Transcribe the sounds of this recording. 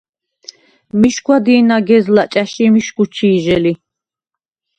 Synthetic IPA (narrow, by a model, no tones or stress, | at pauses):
miʃɡwad̪iːnaɡɛzlat͡ʃʼaʃimiʃɡut͡ʃʰiːʒɛli